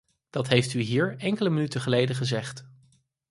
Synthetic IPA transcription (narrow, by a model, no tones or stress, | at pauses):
d̥ɑtɦejftyɦiːɹɛŋkələmənytəχəlejdəχəzɛχt